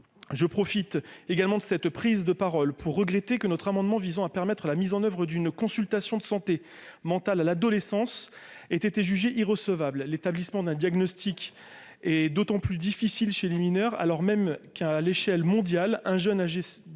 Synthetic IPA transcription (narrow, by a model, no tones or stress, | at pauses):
ʒəpχɔfit̪eɡalmɑ̃d̪əsɛt̪pχizd̪əpaʁɔlpʰuʁːəɡʁet̪ekənɔt̪χamɑ̃d̪mɑ̃vizɑ̃apɛʁmɛt̪χəlamizɑ̃nœvʁəd̪ynkɔ̃sylt̪asjɔ̃d̪əsɑ̃t̪e | mɑ̃t̪alalad̪ɔlesɑ̃s | et̪et̪eʒyʒeʔiʁəsəvabllet̪ablismɑ̃d̪ɛ̃d̪jaɡnɔst̪ik | ɛd̪ot̪ɑ̃plyd̪ifisilʃeleminœʁa̰lɔʁmɛmkaleʃɛlmɔ̃d̪jalɛ̃ʒœnaʒe